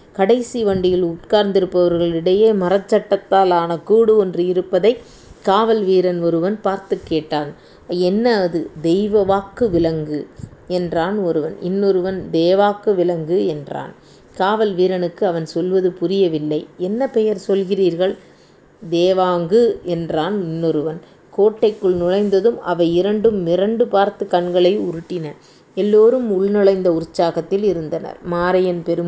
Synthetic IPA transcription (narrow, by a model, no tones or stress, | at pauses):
kɐɽɐɪsiʋɐɳɖɪjɐlʊʈkaːɾnd̪ɪɾɯpːɐʋɐɾɣɐɭɪɽɐjeːmɐɾɐt͡ʃːɐʈːɐt̪ːaːlaːnɐkuːɽɯɔndrɯɪɾɯpːɐðɐɪ | kaːʋɐlʋiːɾɐnɔɾɯʋɐnpaːɾt̪ɯkːeːʈːaːn | ɛnːɐɐðɯd̪ɛɪʋɐʋaːkːɯʋɪlɐŋɡɯɛndraːnɔɾɯʋɐnɪ̰nːɔɾɯʋɐnd̪eːʋaːkːɯʋɪlɐŋɡɯɛndra̰ːn | kaːʋɐlʋiːɾɐnɯkːɯɐʋɐnsɔlʋɐðɯpʊrɪjɐʋɪlːɐɪɛnːɐpɛjɐɾsɔlɣɪriːɾɣɐɭ | d̪eːʋaːŋɡɯɛndraːnɪnːɔɾɯʋɐn | koːʈːɐɪkːɯɭnʊɻɐɪnd̪ɐðɯmɐʋɐɪɪɾɐɳɖɯmːɪɾɐɳɖɯpaːɾt̪ɯkːɐɳɡɐɭɐɪʊɾɯʈːɪnɐ | ɛlːoːɾɯmʊɭnɪɭɐɪnd̪ɐʊɾɯt͡ʃːaːɣɐt̪ːɪlɪɾɯnd̪ɐnɐ̰ɾmaːɾɐjɐnpɛɾɯm